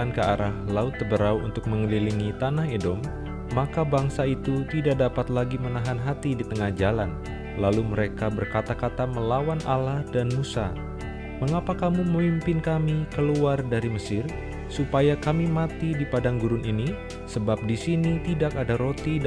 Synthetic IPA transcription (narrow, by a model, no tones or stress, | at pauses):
ankəaɾahlaʊt̪̚ːəbəɾawṵnt̪ʊk̚məŋəliliŋit̪anaɦedɔmː | akabaŋsait̪ut̪idaʔ̚dapat̪laɡimənaɦanɦat̪idit̪əŋahd͡ʒalan | laluməɾekabərkat̪akat̪aməlawanʔalahdanmusa̰ | məŋapakamuməmimpɪnkamikəluardaɾiməsɪr | supajakamimat̪idipadaŋɡuɾʊnʔini | səbap̚disinit̪idakadaɾot̪i